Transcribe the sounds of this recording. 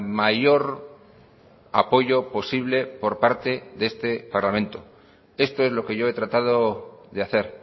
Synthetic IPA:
maʝo̞ɾ | a̰po̞ʝo̞po̞siβ̞le̞po̞ɾpaɾt̪e̞ðe̞st̪e̞paɾlamẽ̞nt̪o | e̞st̪o̞ezlo̞ke̞ʝoe̞t̪ɾat̪að̞oðeaθe̞ɾ

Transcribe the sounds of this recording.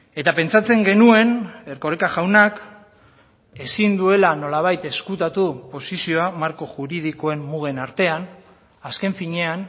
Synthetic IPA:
e̞t̪ape̞nt͡sat͡se̞ŋɡe̞nue̞ne̞ɾko̞ɾekaʝawnak | e̞sind̪ue̞lano̞laβ̞ajt̪e̞skut̪at̪upo̞sisio̞amaɾko̞ʝuɾið̞iko̞e̞mmuɣ̞e̞naɾt̪e̞an | aske̞ɱfiɲe̞an

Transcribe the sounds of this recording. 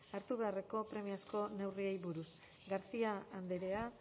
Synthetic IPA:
aɾt̪uβe̞are̞ko̞pɾe̞miasko̞ne̞wriejβuɾus | ɡaɾsiaːnd̪eɾe̞a

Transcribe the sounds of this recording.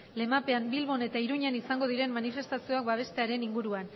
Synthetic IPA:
le̞mape̞ambilβo̞ne̞t̪aiɾuɲanisaŋɡo̞ð̞iɾe̞mmanife̞st̪asio̞ak̚baβ̞e̞st̪e̞aɾe̞niŋɡuɾuan

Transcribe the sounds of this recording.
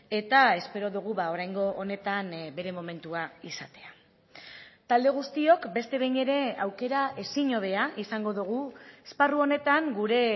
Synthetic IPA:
e̞t̪ae̞spe̞ɾo̞ðuɣ̞uβao̞ɾajŋɡo̞ʔone̞t̪anbe̞ɾe̞mo̞me̞nt̪uaisat̪e̞a | t̪ald̪e̞ɣ̞ust̪io̞kbe̞st̪e̞βejɲe̞ɾe̞awke̞ɾaʔe̞siɲo̞βe̞aʔisaŋɡo̞ðuɣ̞uesparuo̞ne̞t̪aŋɡuɾe̞

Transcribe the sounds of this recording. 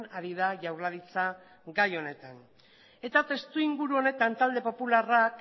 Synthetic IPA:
naɾiðaʝawɾlaðit͡sa | ɡajo̞ne̞t̪an | e̞t̪at̪e̞st̪uiŋɡuɾuo̞ne̞t̪ant̪ald̪e̞po̞pularak

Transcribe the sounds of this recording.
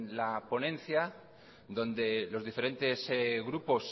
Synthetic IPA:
lapo̞nẽ̞n̟θja | ðõ̞nd̪e̞lo̞zðife̞ɾẽ̞nt̪e̞sɣɾupo̞s

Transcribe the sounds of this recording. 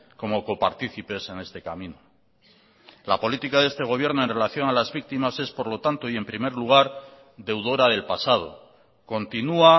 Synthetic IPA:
ko̞mo̞ko̞paɾt̪iθipe̞se̞ne̞st̪e̞kamĩno | lapo̞lit̪ikaðe̞st̪e̞ɣ̞o̞β̞je̞ɾno̞e̞nre̞laθjo̞nalazβik̚t̪imase̞spo̞ɾlo̞t̪ant̪o̞ie̞mpɾime̞ɾluɣ̞aɾ | ðe̞wðo̞ɾaðe̞lpasað̞o̞̰ | ko̞nt̪inua

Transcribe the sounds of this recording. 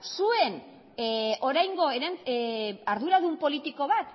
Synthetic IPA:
sue̞n | o̞ɾajŋɡoeɾan | aɾðuɾaðumpo̞lit̪iko̞βat̪

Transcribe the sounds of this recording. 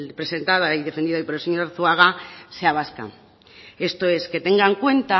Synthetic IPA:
pɾe̞se̞nt̪að̞aiðe̞fend̪iðaipoɾelseɲoɾɾθuaɣ̞aseaβ̞aska̰ | e̞st̪oe̞ske̞t̪e̞ŋɡaŋkwe̞nt̪a

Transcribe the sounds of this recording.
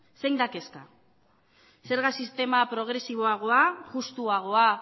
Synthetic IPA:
se̞jnd̪ake̞ska | se̞ɾɣasist̪e̞mapɾo̞ɣ̞ɾe̞siβ̞o̞aɣ̞o̞aɣust̪uaɣ̞o̞a

